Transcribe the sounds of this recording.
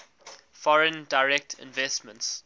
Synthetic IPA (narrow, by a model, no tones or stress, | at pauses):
fɔɹə̃ndaɪɹɛk̚tʰɪ̰̃nvɛstmə̃nts